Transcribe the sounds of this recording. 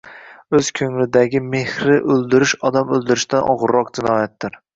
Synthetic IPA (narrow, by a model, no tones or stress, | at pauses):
ɵz̥kʲʰɵŋlɪd̪aɡʲɪme̞hɾɪʔɵlˠd̪ɪɾɪʃɒd̪amɵlˠd̪ɪɾɪʃt̪anʔɒ̰ʁʊɾːɒq̚d͡ʒɪnɒjat̪̚ːɪɾ